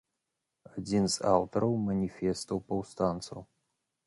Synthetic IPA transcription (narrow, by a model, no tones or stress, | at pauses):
adinzawt̪ʰɐɾɐwmanʲifest̪ʰɐwpʰɐwst̪ʰaːnt͡sʰɐ̰w